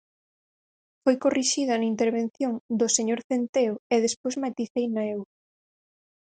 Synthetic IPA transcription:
fojkoriʃið̞ɐnɐint̪eɾβen̟θjoŋd̪ʊseɲoɾθent̪eoeðespojzmat̪iθejnaew

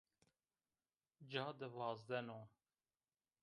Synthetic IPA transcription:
d͡ʒɑːd̪əvɑːzd̪ɛnoː

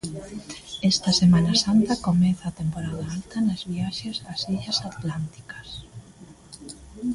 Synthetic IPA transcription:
ɛst̪ɐsemãnasant̪ɐkomɛθaːt̪empoɾaðaalt̪ɐnazβiaʃesasiʎɐsat̪lant̪i̥kɐ̥s

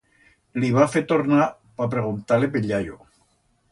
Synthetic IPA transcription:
liβafet̪oɾna | papɾeɣunt̪alepeʎaʎo

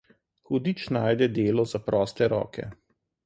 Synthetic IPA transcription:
xud̪iːt͡ʃnaːjd̪ɛd̪eːlɔzapɾɔːst̪ɛɾɔ̰ːkɛ̰

